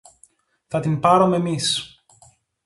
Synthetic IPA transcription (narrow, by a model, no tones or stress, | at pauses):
θɐt̪inpɐɾomeːmis